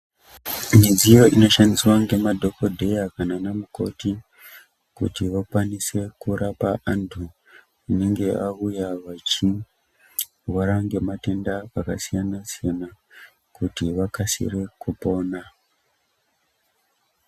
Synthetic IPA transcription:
mid͡zijo̞ino̞ʃandiswaŋɡe̞madʱo̞ko̞dʱe̞jakananamuko̞̰ti | kṵtiʋakwanise̞kuɾapaʔantʰu | uneŋɡe̞ʔaujaʋat͡ʃi | waɾaŋɡe̞mate̞ndaakasijanasijana | kutiʋakasḭrekupo̞ːna

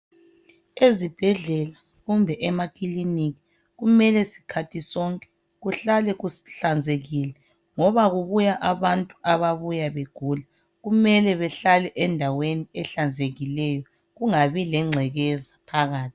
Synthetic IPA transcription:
ezib̥ʱɛɮɛla | ɣumbʱɛʔɛmakʼiliniki | ɣumɛlɛsi̥kʰatʰisɔŋkʼɛ̥ | ɣuɬalɛɣuɬand͡zʱeɣilɛ | ŋɔβaɣuβujaʔaβantʼu̥aβaβujaβeɡ̥ʱula | ɣumɛlɛβɛɬalɛʔɛndʱaweniɛɬand͡zʱeɣilɛjɔ | ɣuŋaβilɛŋ͡ǀʱɛɣɛzapʰaɣaːt̚ʰi̥

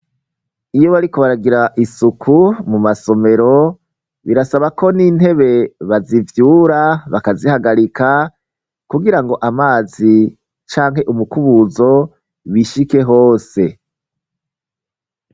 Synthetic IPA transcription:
ijo̞βaɾiko̞βaɾaɡiɾaʔisukʰumumaso̞me̞ɾo̞ | βiɾasaβako̞nin̥he̞βe̞βazivjuːɾaβakazihaɡaɾika | kuɡiɾaŋɡo̞ʔamaːzi | t͡ʃaːŋɦe̞ʔumukuβuzo̞ | wiʃike̞ɦoːse̞

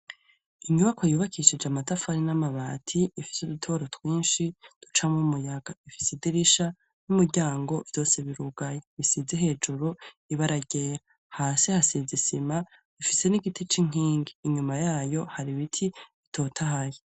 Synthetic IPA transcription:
iɲuβakʰo̞juːβakʰiʃid͡ʒamatafaɾinamaβaːtʰiːfi̥sudutʰo̞ːɾotwiːnʃid̥ut͡ʃamumujaɡ̥aifi̥sediɾiʃa | numuɾɟaːŋɡo̞vj̥o̞ːseβiɾuɡ̥ajeβisizeɦe̞ːd͡ʒuɾu | iβaɾaɟeːɾa | haːsihasizisima | ifise̞niɡitʰit͡ʃiŋ̥iːŋɡiːɲumajaːjo̞haɾiβitʰiitʰo̞ːtʰaɦaje

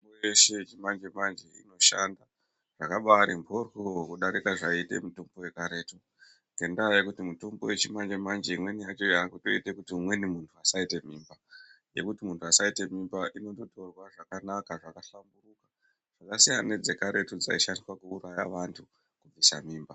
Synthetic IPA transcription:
ojeʃe̞t͡ʃimand͡ʒe̞mand͡ʒeḭno̞ʃa̰nda | ʐ̥akaɓaɾimbʱo̞rwuowokuɗaɾikaʐaite̞̰muto̞mbo̞we̞kaɾeːtu | ŋɡe̞ndaːjekutimuto̞mbo̞̰we̞t͡ʃimand͡ʒe̞mand͡ʒeimwe̞nijat͡ʃo̞jakuto̞ite̞kutiumwe̞nimuntʰuasaite̞miːmba | je̞̰kutimuntʰuasaite̞mimbaʔino̞totʰo̞rwaʐakanakaʐakaɬamburuka | ʐ̥akasijaned͡ze̞kaɾe̞tud͡za̰iʃandiswakuːɾaja̰ʋantʰu | kub͡visa̰miːmba

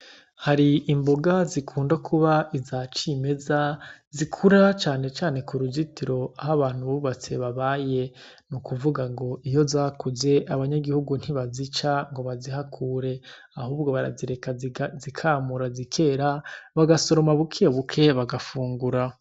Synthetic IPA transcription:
haɾiːmboɡazikʰuːndakʰuβaizat͡ʃime̞zazikʰuɾat͡ʃaːne̞t͡ʃaːne̞kuɾuzitiɾo̞ahaβaːn̥huβuβat͡se̞βaβaːje̞ | nukuvuɡaŋɡo̞ʔijo̞zaːkuze̞ʔaβaɲaɡihuɡun̥hiβazit͡ʃaŋɡo̞βaziɦakʰuːɾe̞ | ahuːb̚ɡo̞βaɾa̰ziɾekazikʰaːmuɾazikʰe̞ːɾaβaɡaso̞ɾo̞maβukʰeβukʰe̞βaɡafuːŋɡuɾa

